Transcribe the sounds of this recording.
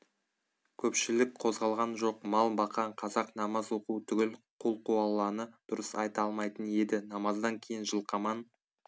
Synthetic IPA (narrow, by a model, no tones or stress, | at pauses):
kʲʰɵpʃɪlɪk̚qʰo̞zʁɑlˠʁɑnʒo̞qmɑlˠbɑqɑɴqʰɑzɑqnɑmɑzoquwt̪ʰʏɡʲɪlqʰulˠquɑlˠːɑnəd̪̥ʊɾəsɑjt̪ɑlˠmɑjt̪əne̞d̪ɪnɑmɑzd̪ɑŋkʲʰe̞jɪnʒəlˠqɑmɑn